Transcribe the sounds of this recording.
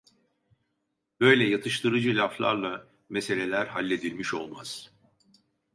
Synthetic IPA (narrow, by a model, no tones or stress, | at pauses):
b̥ø̞jlʲɛjat̪ʰɯʃt̪ʰɯɾɯd͡ʒɯlʲaflˠa̰ɾlˠa | mese̞lʲe̞lʲæɾhalʲːe̞d̪ilʲmiʃo̞̰lˠma̰z̥